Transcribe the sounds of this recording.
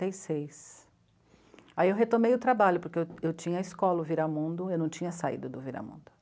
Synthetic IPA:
ejsejs | aiewɦet̪omejʊt̪ɾabaʎʊpoɾkeewewt͡ʃĩɲɐːiskɔlɐʊviɾamũnd̪ʊewnɐ̃w̃t͡ʃĩɲɐsaḭd̪ʊd̪ʊviɾa̰mṵ̃nd̪ʊ

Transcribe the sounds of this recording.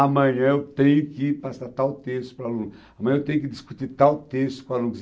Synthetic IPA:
amɐ̃ɲɐ̃ewt̪ẽɲʊkɪpasat̪awt̪est̪ʊ̥pɾalũn | ɐmɐ̃jɐ̃ewt̪ẽjʊ̃kɪd̪ɪskut̪iɾt̪awt̪est̪ʊ̥kõalũnz

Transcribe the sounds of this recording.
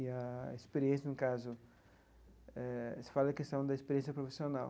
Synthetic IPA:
ɪɐispeɾiẽsjɐnʊkazʊ | ɛsɪ̥falɐɐkest̪ɐ̃w̃d̪ɐispeɾiẽs̬jɐpɾofi̥sionaw

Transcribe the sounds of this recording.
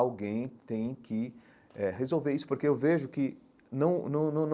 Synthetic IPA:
awɡẽj̃t̪ẽj̃kʰɪ | ɛɦezowveɾisʊ̥poɾkeewveʒʊkɪ | nɐ̃w̃nɐ̃w̃nɐ̃w̃n

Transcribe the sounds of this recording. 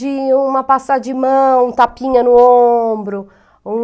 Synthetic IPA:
ɪũmɐpasad͡ʒɪmɐ̃w̃ũt̪apĩɲɐnʊõbɾʊ | ũ

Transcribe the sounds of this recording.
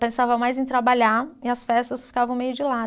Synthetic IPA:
pẽsavɐmajzẽj̃t̪ɾabaʎaɾɪɐsfɛst̪ɐsfi̥kavɐ̃w̃mejʊd͡ʒɪla

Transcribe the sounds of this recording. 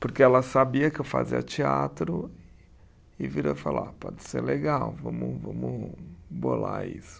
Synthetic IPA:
poɾkeɛlɐsabiɐkɪewfa̰ziɐ̰t͡ʃiat̪ɾʊ | ɪviɾofala̰pɔd͡ʒɪ̥seɾleɡawvɐ̃mʊvɐ̃mʊbolaḭsʊ̥

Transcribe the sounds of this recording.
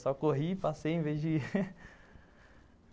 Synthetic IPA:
sɔkoɦipasejẽvezd͡ʒɪ

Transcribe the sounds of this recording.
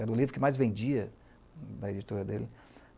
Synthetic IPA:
ɛd̪ʊlivɾʊkɪmajzvẽd͡ʒiɐ | d̪ɐed͡ʒit̪uɾɐd̪elɪ

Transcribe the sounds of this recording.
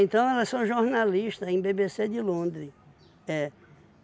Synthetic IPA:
ẽnt̪ɐ̃w̃ɛlɐssɐ̃w̃ʒoɾnaliʃt̪ɐẽj̃bebesed͡ʒ̪ɪlõnd̪ɾɪ | ɛ

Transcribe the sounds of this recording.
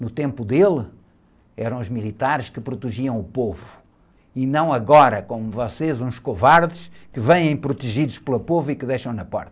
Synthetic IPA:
nut̪ẽmpuðelˠ | ɛɾɐ̃w̃uʒmilˠit̪aɾʃkɨpɾut̪ɨʒiɐ̃w̃upovu | inɐ̃w̃ɐɣɔɾɐkomuvɔsezũʃkuvaɾðɨʃkɨvẽjẽj̃pɾut̪ɨʒiðuʃplˠɐpovuikɨðejʃɐ̃w̃nɐpɔ̰ɾt̪ɐ

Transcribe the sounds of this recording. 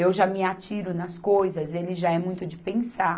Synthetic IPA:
ewʒamɪat͡ʃiɾʊnɐskojzɐzelɪʒaɛmũj̃t̪ʊd͡ʒɪpẽsa

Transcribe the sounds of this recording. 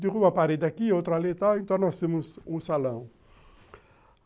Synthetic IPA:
d̪ɪʁubɐpaɾed̪ɪakiowt̪ɾalet̪awẽnt̪ɐ̃w̃nɔst̪ẽmʊzũsalɐ̃w̃

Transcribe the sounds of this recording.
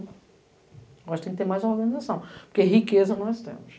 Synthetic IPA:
ɔʃt̪ẽk̪̚t̪eɾmajzɔɾɡɐnizasɐ̃w̃puɾkeɐɦikezɐnɐ̃w̃ɛst̪ḛmʊʃ

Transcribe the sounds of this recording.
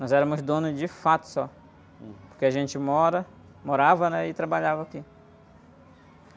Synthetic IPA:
nɔzɛɾɐmʊzd̪õnʊzd͡ʒɪfat̪ʊ̥sɔ | poɾkeaʒẽnt͡ʃɪmɔɾɐ | moɾavɐnɛɪt̪ɾabaʎavɐaki

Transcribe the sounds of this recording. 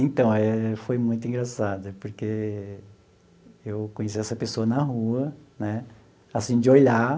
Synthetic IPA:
ẽnt̪ɐ̃w̃ɛfojmũj̃t̪ʊĩɡɾasad̪ɐpoɾke | ewkõɲes̬iɛsɐpesoɐnɐɦuɐnɛ | asĩd͡ʒɪoʎa

